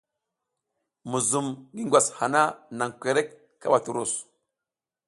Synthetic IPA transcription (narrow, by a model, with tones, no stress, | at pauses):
mu˨zu˨mɡi˦ŋɡʷa˨sha˨na˦na˨ŋkʷe˨ɾe˦kː | a˦ɓa˨tu˨ɾu˦˨s